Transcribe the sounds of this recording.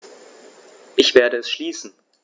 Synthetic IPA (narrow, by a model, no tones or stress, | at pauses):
ʔɪçv̥eːɐdəɛsʃliːsn̩